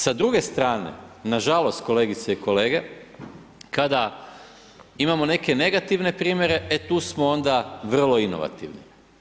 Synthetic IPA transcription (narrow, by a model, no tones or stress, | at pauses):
sad̪ɾuɡe̞st̪ɾaːnḛnaʒalo̞st̪̚ko̞le̞ːɡit̪seiko̞leːɡe̞ | kad̪a | imamo̞ne̞ke̞ne̞ɡat̪iʋne̞pɾiːmje̞ɾe̞ʔet̪uːsmoo̞nd̪aʋr̩lo̞ino̞̰ʋa̰t̪iʋnḭ